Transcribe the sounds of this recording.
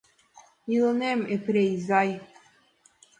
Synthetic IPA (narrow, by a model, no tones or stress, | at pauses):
ilnemepɾejzaj